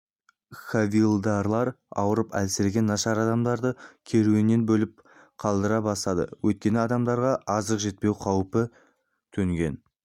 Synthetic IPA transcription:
χavilˠd̪ɑɾlˠɑɾ | ɑ̰wəɾəpæ̰lsɪɾɡʲe̞nːɑʃɑɾɑd̪ɑmd̪ɑɾd̪əkʲʰe̞ɾuenːe̞nbɵlɪp̚ | qʰɑlˠd̪əɾɑbɑsɑd̪ə̰wɵt̪̚kʲe̞nɪɑd̪ɑmd̪ɑɾʁɑʔɑzəqʒe̞t̪̚pe̞wqʰɑwpə | t̪ʰɵŋɡʲe̞̰n

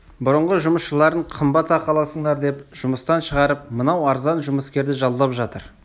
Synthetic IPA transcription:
bʊɾəɴʁəʒʊməsʃəlˠɑɾəɴqʰəmbɑt̪ɑqʰɑlˠɑsəɴd̪ɑɾd̪e̞pʒ̥ʊməst̪ɑnʃəʁɑɾəpmənɑwɑɾzɑnʒʊməskʲe̞ɾd̪ɪʒɑlˠːɑpʒɑt̪əɾ

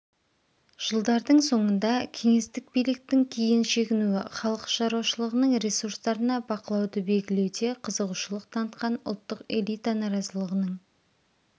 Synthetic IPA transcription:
ʒ̥əlˠd̪ɑɾd̪əɴso̞ɴənd̪ɑkʲʰe̞ŋe̞st̪ɪk̚bijlɪk̚t̪ɪŋkʲʰijɪnʃe̞ɡʲɪnuɪ̰χɑlˠəqʃɑɾuwɑʃəlˠəʁənəɴɾe̞suɾst̪ɑɾənɑbɑqəlˠɑwd̪əbe̞lɡʲɪle̞wd̪e̞qʰəzəʁuʃəlˠəq̚t̪ʰɑnət̪qɑnʊ̰lˠt̪ːəqe̞̰lˠijt̪anɑɾɑzəlˠəʁənəɴ

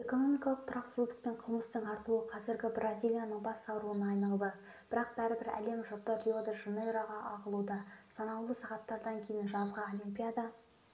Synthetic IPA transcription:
e̞ko̞no̞mijkɑlˠəq̚t̪ʰʊɾɑqsɪzd̪ɪk̚pe̞ɴqʰəlˠməst̪əɴɑɾt̪əlˠuəqʰɑzɪɾɡʲɪbrʔazʲijlʲˠijanəɴbɑsɑwɾuənɑjnɑlˠd̪ə | b̥ɪɾɑq̚b̥æɾɪbɪɾæ̰le̞mʒot̪ːəɾijod̪əʒinoɾaʁɑʔɑʁəlˠud̪ɑsɑnɑlwlˠəsɑʁɑt̪ːɑɾd̪ɑŋkʲʰe̞jɪnʒɑzʁɑo̞limpʲijad̪ɑ

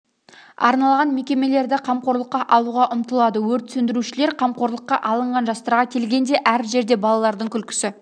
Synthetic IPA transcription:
ɑ̰ɾnɑlˠʁɑnme̞kʲe̞me̞le̞ɾd̪ɪqʰɑmqo̞ɾlˠəqːɑʔɑlˠuʁɑʔʊmt̪əlˠɑd̪əwɵɾt̪sɵnd̪ɪɾuʃɪle̞ɾqʰɑmqo̞ɾlˠəqːɑʔɑlˠəɴʁɑnʒɑst̪ɑɾʁɑkʲʰe̞lɡʲe̞nd̪e̞ʔæɾʒe̞ɾd̪e̞bɑlˠɑlˠɑɾd̪əŋkʲʰʏlkʲɪ̥sɪ

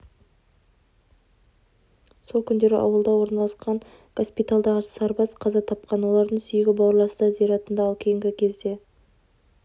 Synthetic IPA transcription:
so̞lˠkʲʰʏnd̪e̞ɾɪ̰ʔɑ̰wəlˠd̪ɑwo̞ɾnɑlˠəsqɑɴ | ɡ̥o̞spit̪alˠd̪ɑʁəsɑɾbɑsqʰɑzɑt̪ʰɑp̚qɑnwo̞lˠɑɾd̪əɴsʏjɪɡʲɪbɑwɾlˠɑɾsəd̪ɑzijɾɑt̪ənd̪ɑːlˠkʲʰejɪŋɡʲɪkʲʰe̞zd̪e̞

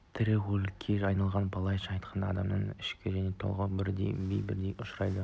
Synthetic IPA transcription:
t̪ʰɪɾɪwɵlkʲʰːeɑjnɑlˠʁɑnbɑlˠɑjʃɑɑjt̪qʰɑnd̪ɑɑd̪ɑmnəɴɪʃkʲɪʒæne̞t̪ʰo̰lˠʁəbɪɾd̪ḛjbḛjbɪ̰ɾd̪ejʔʊʃɾɑjd̪ə

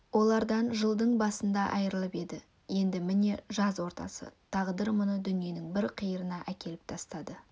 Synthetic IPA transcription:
wo̞lˠɑɾd̪ɑnʒəlˠd̪əɴbɑsənd̪ɑʔɑjɾəlˠəpe̞d̪ɪ | je̞nd̪ɪmɪne̞ʒɑzwo̞ɾt̪ɑ̰sə̰t̪ʰɑʁd̪əɾmʊnəd̪ʏnije̞nɪŋbɪɾqʰijəɾənɑʔækʲe̞lɪp̚t̪ʰɑst̪ɑd̪ə

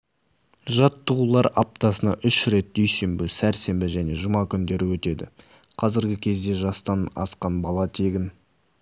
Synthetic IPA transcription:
ʒɑt̪ːəʁulˠɑɾɑp̚t̪ɑsənɑʔʏʃɾe̞t̪̚d̪ɵjse̞mbɪsæɾse̞mbɪʒæne̞ʒʊmɑkʲʰʏnd̪e̞ɾɪwɵt̪e̞d̪ɪ̰ | qʰɑzɪɾɡʲɪkʲʰe̞zd̪e̞ʒɑst̪ɑnɑ̰sqɑnbɑlˠɑt̪ʰe̞ɡʲɪn

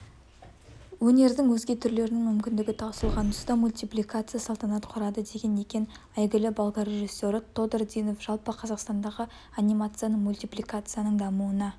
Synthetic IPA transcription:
wɵne̞ɾd̪ɪŋwɵzɡʲe̞t̪ʰʏɾle̞ɾɪnɪŋmʏmkʲɪnd̪ɪɡʲɪt̪ʰɑsəlˠʁɑnʊ̥st̪ɑmulʲt̪ijplʲijkat̪sɨjasɑlˠt̪ɑnɑt̪qʰʊɾɑd̪əd̪e̞ɡʲe̞ne̞kʲe̞n | æjɡʲɪlɪbɑlˠd̪ɑɾʲe̞ʒisːo̞ɾɪt̪ʰo̞d̪ord̪ijno̞fʒ̥ɑlˠpəqʰɑzɑqst̪ɑnd̪ɑʁə | anʲijmat̪sɨjanəɴmulʲt̪ʲijplikat̪sɨjanəɴd̪ɑmuənɑ

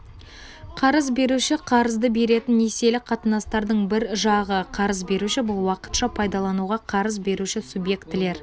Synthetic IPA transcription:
qʰɑɾəzbe̞ɾuʃɪqʰɑɾəzd̪əbe̞ɾe̞t̪ɪnːese̞lɪqʰɑt̪ənɑst̪ɑɾd̪əɴbɪɾʒɑʁəqʰɑɾəzbe̞ɾuʃɪbʊlˠwɑqə̥t̪ʃɑpʰɑjd̪ɑlˠɑnuʁɑqʰɑɾəzbe̞ɾuʃɪsubje̞kt̪ɪle̞ɾ

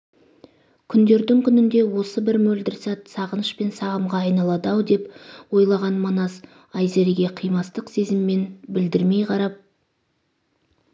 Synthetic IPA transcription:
kʲʰʏnd̪e̞ɾd̪ɪŋkʲʰʏnɪnd̪e̞wo̞səbɪɾmɵld̪ɪɾsɑt̪sɑʁənəʃpe̞nsɑʁəmʁɑɑjnɑlˠɑd̪ɑwd̪e̞pwo̞jlˠɑʁɑnmɑnɑz | ɑjzeɾɡʲe̞qʰijmɑst̪əqse̞zɪmːe̞nbɪld̪ɪɾme̞jqʰɑɾɑp̚

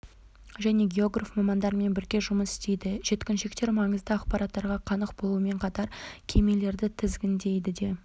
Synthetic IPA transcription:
ʒæne̞ɡʲe̞o̞ɡrafmɑmɑnd̪ɑɾme̞nbɪɾɡʲe̞ʒʊməsɪst̪e̞jd̪ɪʒ̥e̞t̪kʲɪnʃe̞k̚t̪e̞ɾmɑɴəzd̪əɑqpɑɾɑt̪ːɑɾʁɑqʰɑnəqbolˠuəme̞ɴqʰɑt̪ɑɾkʲʰe̞me̞le̞ɾd̪ɪt̪ʰɪzɡʲɪnd̪e̞jd̪ɪd̪e̞

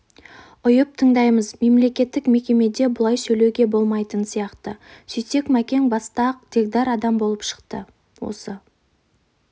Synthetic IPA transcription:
ʊjəp̚t̪ʰəɴd̪ɑjməzme̞mle̞kʲe̞t̪ːɪkme̞kʲe̞me̞d̪e̞bʊlˠɑjsɵle̞wɡʲe̞bo̞lˠmɑjt̪ənsijɑqt̪əsʏjse̞kmækʲe̞ŋbɑst̪ɑq̚d̪̥e̞kd̪ɑɾɑd̪ɑmbolˠəpʃə̥qt̪ə | wo̞̰sə

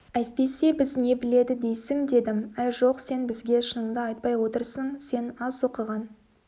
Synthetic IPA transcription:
æjt̪̚pe̞se̞bɪzne̞bɪle̞d̪ɪd̪e̞jsɪŋd̪e̞d̪ɪmæjʒo̞qse̞nbɪzɡʲe̞ʃənəmd̪əɑjt̪̚pɑjwo̞t̪əɾsəɴse̞nɑzo̞qəʁɑn

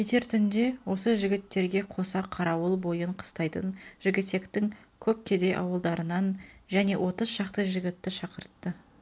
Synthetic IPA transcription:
kʲʰet̪e̞ɾt̪ʰʏnd̪e̞wo̞səʒɪɡʲɪt̪ːe̞ɾɡʲe̞qʰo̞sɑqʰɑɾɑwəlˠbo̞jəɴqʰə̥st̪ɑjt̪ə̰nʒɪɡʲɪt̪ːe̞kt̪ɪŋ | kʲʰɵp̚kʲʰe̞d̪e̞jʔɑ̰wəlˠd̪ɑɾənɑnʒæne̞wʔo̞t̪əzʃɑqt̪əʒɪɡʲɪt̪ːɪʃɑqəɾt̪ːə

